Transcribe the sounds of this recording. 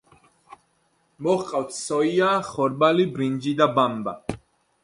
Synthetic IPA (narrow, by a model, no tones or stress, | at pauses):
mɔχqʼawt̪ʰsɔiaːχɔɾbalibɾind͡ʒid̪abamba̰